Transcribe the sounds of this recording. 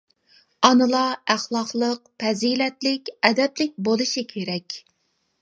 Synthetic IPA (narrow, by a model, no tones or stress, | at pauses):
ɑnɨlˠɑæχlˠɑqlˠəq̚pʰɛzilɛt̪lɪkʲɛd̪ɛplɪk̚ʲbolˠɨʃikʲʰeɾɛkʲ